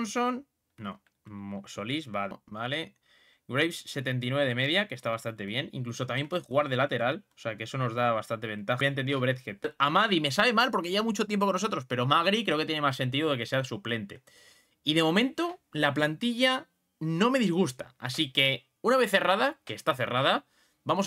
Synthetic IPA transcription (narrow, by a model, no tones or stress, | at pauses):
nsonː | o̰ | mosolizβaðbale | ɡɾejfsse̞t̪e̞nt̪̬inweβe̞ðe̞me̞ðjake̞st̪aβast̪ant̪e̞βje̞nḭŋkluso̞t̪amje̞mpweðexuɣaɾðe̞lat̪e̞ɾaloseake̞eso̞no̞zðaβ̞ast̪ant̪e̞β̞e̞nt̪axaeneniðoβɾet̪xet̪amaðime̞saβe̞malpoɾke̞ʝeβamut͡ʃo̞t̪je̞mp̬okonːoo̞t̪ɾo̞spe̞ɾo̞maɣ̞ɾikɾeokeje̞ne̞masːe̞nt̪̬iðoðeke̞se̞asuple̞nt̪e̞̰ | iðe̞mõ̞mẽ̞nt̪o̞laplant̪iʝa | nõ̞me̞ðizɣ̞ust̪a̰asike̞ | unaβ̞e̞θe̞raðake̞st̪aθe̞rað̞a | bamo̞s